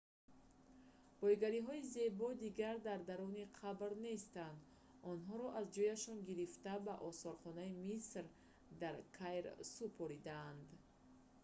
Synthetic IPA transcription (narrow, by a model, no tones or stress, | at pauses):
b̥ɔjɡaɾiɦɔize̞bɔd̪iɡaɾd̪aɾd̪aɾɔniqʰabɾne̞st̪and̪ | ɔnɦɔɾɔʔazd͡ʒɔjaʃɔnɡiɾift̪abaʔɔsɔɾχɔnaimisɾ | d̪aɾkʰajɾsupʰɔɾid̪aːnd̪